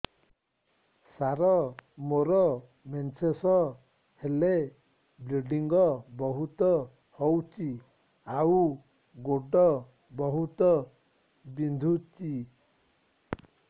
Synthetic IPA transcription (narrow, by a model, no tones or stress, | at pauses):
saɾɔmoɾɔ | ment͡ʃʰesɔ | hele | bleɖiŋɡɔbɔɦut̪ɔ | hɔwt͡ʃi | awu | ɡoɖɔ | bɔɦut̪ɔ | bind̪ʱut͡ʃi